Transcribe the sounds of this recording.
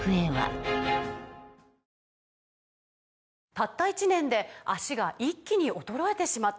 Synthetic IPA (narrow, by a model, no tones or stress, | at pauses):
ɯeβa̰ | t̪at̪ːait͡ɕinẽ̞nd̪e̞aɕiɡaʔikʲːiɲ̟iʔo̞t̪o̞ɾo̞e̞t̪e̞ɕimat̪ː